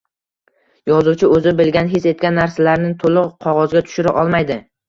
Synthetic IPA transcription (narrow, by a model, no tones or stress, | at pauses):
jɒzuwt͡ʃʰɪɵzɪbɪlɡʲanɦɪse̞t̪̚kʲanːaɾsalaɾnɪt̪ʰolɪqqʰɒʁɒzɡʲat̪ʰʊ̥ʃɪɾaʔɒlˠmajd̪ɪ